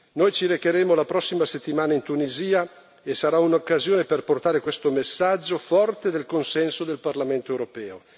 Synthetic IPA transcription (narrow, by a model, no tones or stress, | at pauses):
nojt͡ʃiɾekeɾɛːmolapɾɔsːimaset̪ːimaːnaint̪uniziːa | esaɾaunokːazjoːneperport̪aːɾekwest̪omesːad͡ʒːofɔrt̪ed̪elkonsɛnsod̪elparlament̪oewɾopɛːo